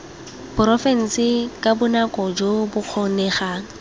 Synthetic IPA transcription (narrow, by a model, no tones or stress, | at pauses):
pʊrɔfɛn̩sɪkʼabʊnakʼɔd͡ʒobʊq͡χʰɔnɛχaːŋ̩